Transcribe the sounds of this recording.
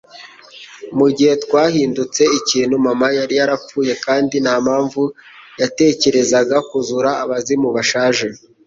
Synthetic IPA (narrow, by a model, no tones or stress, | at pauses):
muɟihe̞twaːhiːndut͡se̞iciːn̤umamajaɾijaɾap͡fuːje̞kaːndinaːmaːɱvujate̞ːce̞ɾe̞zaɡakuzuɾaːβazimuβaʃaːʒe